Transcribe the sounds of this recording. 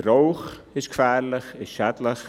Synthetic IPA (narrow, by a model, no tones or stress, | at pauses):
ɾowxɪskfæːɾləxɪsʃɛtləx